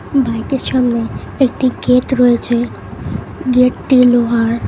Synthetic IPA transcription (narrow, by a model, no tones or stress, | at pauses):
bʱajkesamneː | k̚ʈiɡeʈɾɔet͡ʃʰe | ɡeʈʈiloɦaɾ